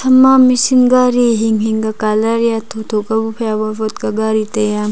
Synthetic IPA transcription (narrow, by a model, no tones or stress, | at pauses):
tʰɐmamisinɡaɾiɦiŋɦiŋɡakalaɾjatʰot̪ʰokabupʰɐjaβɐbɔt̚kaɡaɾitɐjam